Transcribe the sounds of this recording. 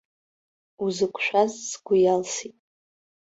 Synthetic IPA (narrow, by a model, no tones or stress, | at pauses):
uzɨkʷʰʃᶣʷazsɡʷʊjalsitʼ